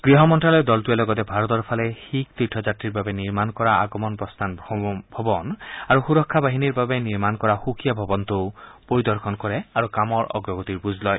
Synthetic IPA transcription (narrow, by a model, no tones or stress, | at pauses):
ɡ̥ɹiɦɔmɔntɹalɔjd̪ɔltujalɔɡɔt̪ɛbʱaɹɔt̪ɔɹpʰalɛxikt̪itʰːɔzatɹiɹbabɛniɹmankɔɹaa̰ɡɔmɔnpɹɔst̪ʰanbʱɔbɔnaɹuxuɹɔkʰːabaɦiniɹbabɛniɹmankɔɹaxukʰijabʱɔbɔnt̪opoɹid̪ɔɹkʰɔnkɔɹɛaɹukamɔɹɔ̰ɡɹɔɡɔt̪iɹbuzlɔj